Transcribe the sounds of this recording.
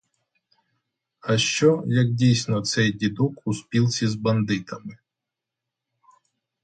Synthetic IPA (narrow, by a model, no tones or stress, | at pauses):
ɐʃt͡ʃɔjɐk̚dʲijsʲnɔt̪sɛjdʲid̪ɔkuspʲilˠsʲizbɐnd̪ɪt̪ɐmɪ